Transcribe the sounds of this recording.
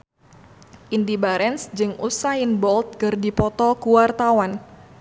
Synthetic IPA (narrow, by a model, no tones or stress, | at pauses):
ʔindibaɾɛnsd͡ʒɨŋusainbɔlt̪̚kɨrdipɔt̪ɔkuwart̪awan